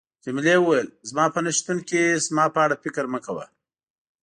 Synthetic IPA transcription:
t͡ʃemɪlewəwajəlzmɑpənaʃt̪unkizmɑpəaɽafɪkɾməkawa̰

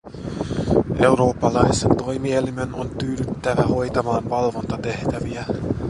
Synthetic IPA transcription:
ʔe̞wɾo̞ːpːɑlɑjse̞nt̪o̞jmie̞lime̞no̞nt̪yːdyt̪ːæʋæho̞jt̪ɑmɑːnʋɑlʋo̞nt̪ɑt̪e̞ht̪æʋiæ

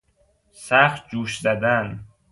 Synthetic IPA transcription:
sæxt̪̚d͡ʒuːʃzæd̪æn

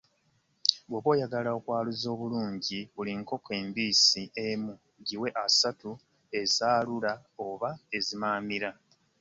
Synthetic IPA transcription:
βwoβwo̞ːjaɡalao̞kwaːluzo̞ːβuluːɲɟiβuliŋko̞ke̞ːmbiːsiemu | ɟiwe̞ʔasatu | e̞zaːlulao̞βae̞zimaːmiɾa

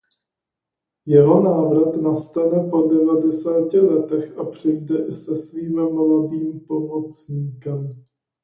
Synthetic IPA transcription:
jɛɦo̞naːvɾat̪nast̪anɛpo̞dɛvadɛsaːcɪlɛt̪ɛxʔapr̝̥ɪjdɛʔɪsɛsviːmmladiːmpo̞mo̞t͡sɲiːkɛm

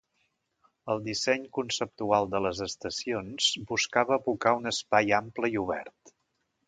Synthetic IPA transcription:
əlˠd̪isɛɲkunsəp̚t̪ualˠd̪ələzəst̪əsionzbuskaβəːβukaunəspajampləiuβ̞ɛ̰rt̪

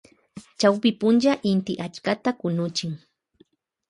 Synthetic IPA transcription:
t͡ʃawpɪpʊnd͡ʒaʔɪnt̪ɪʔat͡ʃkat̪akʊnʊt͡ʃɪŋ

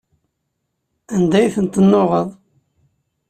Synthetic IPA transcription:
ænd̪æjθənt̪ənːoʁəðˤ

